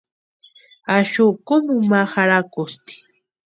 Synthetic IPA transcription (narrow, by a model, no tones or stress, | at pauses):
aʃʊkʊmumahaɾakʊst̪i̥